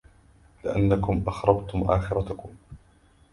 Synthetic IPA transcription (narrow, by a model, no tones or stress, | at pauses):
lɪʔanːakʊmʔɑxɾˤɑbt̪ʊmʔaːxɪɾˤɑt̪ʊkʊm